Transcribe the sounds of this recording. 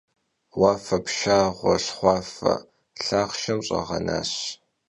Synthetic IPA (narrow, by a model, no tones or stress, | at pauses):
waːfɐpʃaːʁʷɔɬχʷɑːfɐ̰ | ɬaːχʃɐmɕʼɐ̰ʁɐ̰na̰ːɕ